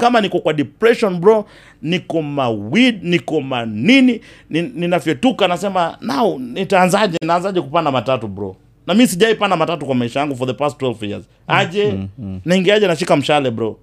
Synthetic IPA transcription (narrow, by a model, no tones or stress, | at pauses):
kamanikɔkwaɗipɾɛʃɔnbɾɔ | nikɔmawidnikɔmanininininafɛtukanasɛmanaunitaːnzaʄɛnaːnzaʄɛkupandamatatubɾɔ̰ | namisiʄaipandamatatukwamaiʃajaŋɡufɔðɛpastwɛlfjia̰z | aʄɛnaiŋɡiaʄɛnaʃikam̩ʃalɛbɾɔ